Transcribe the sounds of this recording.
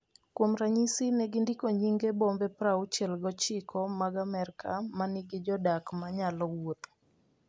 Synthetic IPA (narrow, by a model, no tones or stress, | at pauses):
kwomɾaɲisinɛɡɪndikoɲiŋɡebɔmbɛpɾaut͡ʃɛlɡɔt͡ʃɪkʰɔmaɡamɛrka̰manɪɡɪd͡ʒɔdakmaɲalɔwot̪